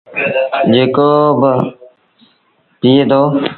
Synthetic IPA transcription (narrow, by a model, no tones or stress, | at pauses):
d͡ʒeːkoːbə | piːeːt̪ʰoː